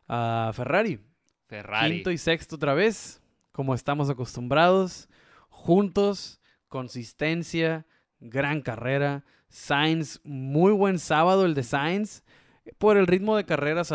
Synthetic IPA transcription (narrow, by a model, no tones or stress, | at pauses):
aferaɾjo | kaint̪oisekst̪oot̪ɾaβ̞e̞s | ko̞mo̞est̪amo̞s̬ako̞st̪umbɾað̞o̞s | xunt̪o̞s | ko̞nsist̪e̞nsja | ɡɾaŋkare̞ɾa | sajnsmujβwe̞nsaβað̞oeld̪e̞sajns | po̞ɾe̞lrit̪mo̞ðe̞kare̞ɾas